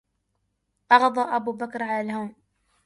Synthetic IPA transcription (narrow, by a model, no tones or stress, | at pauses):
ʔɑɣd̪ˤɑːʔabuːbakɾʕalalɦawm